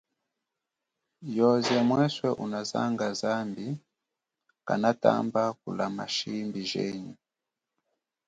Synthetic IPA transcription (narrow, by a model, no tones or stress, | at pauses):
jɔzɛmwɛswɛʔunaza̰ŋɡazambi | ka̰nata̰mbakulamaʃimbiʒɛ̰ɲu